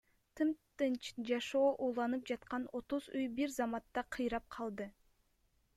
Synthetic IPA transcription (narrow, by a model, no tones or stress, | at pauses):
t̪ʰɯmt̪ɯnd͡ʒɑʃo̞ːʔuːlˠɑnɯp̚d͡ʒɑt̪̚qɑno̞t̪uzyjbiɾzɑmɑt̪ːɑqʰɯjɾɑp̚qʰɑlˠd̪ɯ